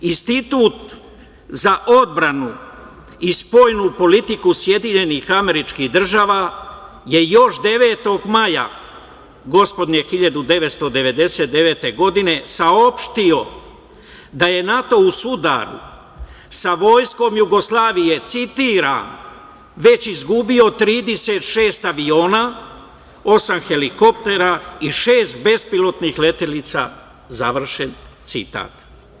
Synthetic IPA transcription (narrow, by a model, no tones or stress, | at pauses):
inst̪it̪uːt̪ | zaʔo̞d̪bɾanu | ispo̞ːjnupo̞lit̪ikusje̞d̪iɲe̞niːxame̞ɾit͡ʃkihd̪r̩ʒaːʋaː | je̞jo̞ʃd̪e̞ʋeːt̪o̞ɡmaja̰ | ɡo̞spo̞d̪ɲe̞xiʎad̪ud̪e̞ʋet̪st̪o̞d̪e̞ʋe̞d̪e̞set̪d̪e̞ʋe̞ːt̪e̞ɡo̞d̪ine̞sao̞pʃt̪io̞ | d̪aje̞nat̪o̞usud̪a̰ɾṵ | saʋo̞ːjsko̞mjuɡo̞slˠaːʋije̞t̪sit̪iːɾa̰ːn | ʋe̞t͡ɕizɡubio̞t̪ɾiːd̪ese̞t̪ʃe̞ːst̪aʋio̞ːna | o̞samxe̞liko̞pt̪e̞ɾaiʃe̞ːst̪̚be̞spilo̞t̪nixle̞t̪elit̪sa̰ | zaʋr̩ʃent̪sḭt̪a̰ːt̪